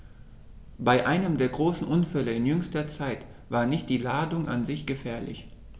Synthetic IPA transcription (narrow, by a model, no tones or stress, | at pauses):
b̥aɪʔaɪnəmdeːɐɡʁoːsn̩ʔʊnfɛləɪnjʏŋstɐt͡saɪt | v̥aːɐnɪçt̚d̥iːlaːdʊŋʔa̰nzɪçɡ̥əfɛːɐlɪ̰ç